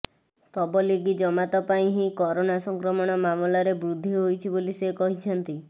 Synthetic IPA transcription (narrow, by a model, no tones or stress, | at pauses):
t̪ɔbɔliɡid͡ʒɔmat̪ɔpaĩɦĩkɔɾonasɔŋkɾɔmɔɽ̃ɔmamlaɾebɾud̪ʱːiɦojt͡ʃʰibolisekɔɦit͡ʃʰɔnt̪i